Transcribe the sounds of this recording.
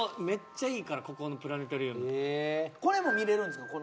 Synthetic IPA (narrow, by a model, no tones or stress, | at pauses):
me̞t͡ɕːaiːkaɾako̞kono̞pɯ̟ɾane̞t̪oɾʲiɯn | ko̞ɾe̞mo̞mʲiɾe̞ɾɯ̃nd̪eskːko